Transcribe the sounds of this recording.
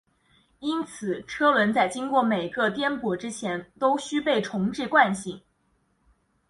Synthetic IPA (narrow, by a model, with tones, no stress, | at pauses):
i˥nt͡sʰɹ̩˨˩ʈ͡ʂʰɤ˥lwə˧˥nt͡sa˥˩ɪt͡ɕi˥ŋkwɔ˥˩me˨˩ɪɡə˥˧t̪jɛ˥npwɔ˨˩ʈ͡ʂɻ̩˥t͡ɕʰjɛ˧˥nt̪o˥ʊɕy˥pe˥˩ɪʈ͡ʂʰʊ˧˥ŋʈ͡ʂɻ̩˥˧kwa˥˧nɕi˥˩˦ŋ